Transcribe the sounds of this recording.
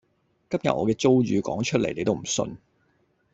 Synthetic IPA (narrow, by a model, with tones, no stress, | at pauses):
kɐ˥p̚jɐ̰˨t̚ʔɔː˨˧kɛː˧t͡so˥wɥyː˨˧kɔ̰ː˨˥ŋt͡ʃʰɵ˥le˨jne˨˧t̪o˥wm̩˨˩sɵ̰˧n